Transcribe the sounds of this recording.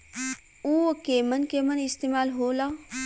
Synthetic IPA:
uokemənkemənɪst̪eːmaːlɦoːlaː

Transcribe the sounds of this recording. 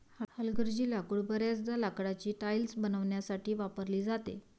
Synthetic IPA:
hhəlɡəɾd͡ʑilakuɽbəɾjat͡sd̪alakɽat͡ɕiːʈajlsbənəʋɳjasaʈʰiːʋapəɾliːd͡zat̪ḛ

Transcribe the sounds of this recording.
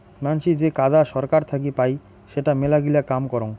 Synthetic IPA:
manʃid͡ʑekadaʃɔɾkaɾt̪ʰak̬ipaj | ʃeʈamelaɡilakamkɔɾoŋ

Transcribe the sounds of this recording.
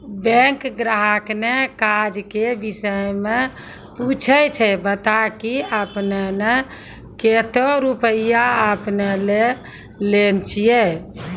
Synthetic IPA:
bɛ̃ŋkɡɾaɦəknekad͡ʒkebisəjmẽ | put͡ʃʰəjt͡ʃʰəbət̪akiəpnene | ket̪oɾupəijaəpnele | lent͡ʃʰijɛ

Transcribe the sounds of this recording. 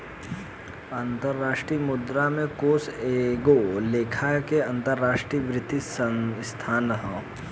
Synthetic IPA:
ɐ̃nt̪əɾːaːʃʈɾiːmʊd̪ɾamẽkoːseɡoleːkʰakeɐ̃nt̪əɾːaːʃʈɾiːʋɾɪt̪isəst̪ʰaːnɦə

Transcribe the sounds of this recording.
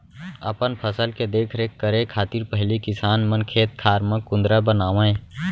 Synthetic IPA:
ə̰pənpʰəsəlked̪eːkʰɾekːəɾekʰaːt̪iɾpəɦlikɪsaːnmənkʰeːt̪̚kʰaːɾmə̃kʊ̃nd̪ɾabənaːʋẽ

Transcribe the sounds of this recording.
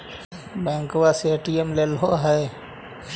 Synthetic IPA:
bɛ̃ːŋkowasieʈiemlelɦoɦɛj

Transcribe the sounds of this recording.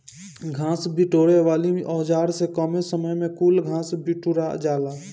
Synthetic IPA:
ɡʱãːsbiʈoːɾeʋaːliʔɔːd͡ʒaːɾsekɔːmesəməjmẽkuːlɡʱãːsbiʈuɾad͡ʒaːlaː

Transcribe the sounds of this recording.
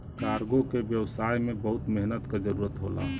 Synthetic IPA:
kaɾɡokebjəwsajmẽbəɦʊt̪meɦnət̪kad͡ʒəɾuɾət̪ɦola̰

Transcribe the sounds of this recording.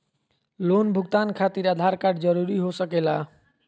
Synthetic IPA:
lonbʱuɡ̚t̪ankʰat̪iɾad̪ʱaɾkaɖd͡ʒəɾuɾiɦosəkela

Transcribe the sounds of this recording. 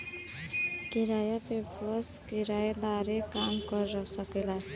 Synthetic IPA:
kiɾajapepʌskiɾajd̪aɾekamɡʌɾːʌsʌkela

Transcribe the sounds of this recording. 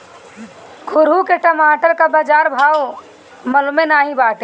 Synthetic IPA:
kʰʊɾukeʈəmaːʈəɾkabəd͡ʒaːɾbʱaːw | mɐlmenaːɦibaːʈe

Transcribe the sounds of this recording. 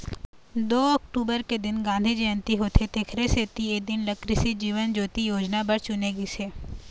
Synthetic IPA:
d̪oːɔk̚ʈuːbəɾked̪ɪnɡãːnd̪ʱid͡ʒɐjə̃nt̪iɦoːt̪ʰet̪eːkʰɾeseːt̪ieːk̚d̪ɪnləkɾɪsid͡ʒiːʋənd͡ʒoːt̪ijoːd͡ʒnabəɾt͡ʃʊneɡiseː

